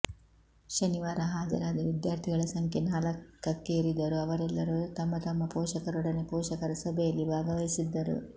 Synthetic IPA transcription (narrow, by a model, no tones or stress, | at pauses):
ʃɐniʋaːɾɐɦaːd͡ʒɐ̰ɾaːd̪ɐʋid̪jaːɾt̪ʰiɡɐɭɐsɐŋkʰenaːlɐkːɐkːeiɾid̪ɐɾuɐʋɐɾɛlːɐɾut̪ɐmːɐt̪ɐmːɐpɔːʃɐkɐɾuɽɐnepɔːʃɐkɐɾɐsɐbʱɛjɐlːibʱaːɡɐʋɐisid̪ːɐɾṵ